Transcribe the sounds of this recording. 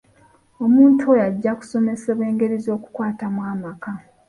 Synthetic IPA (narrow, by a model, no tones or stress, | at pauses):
o̞muːntʰuojaɟːaku̥so̞me̞seβe̞ːŋɡe̞ɾizo̞ːku̥kwaːtamwaːmaka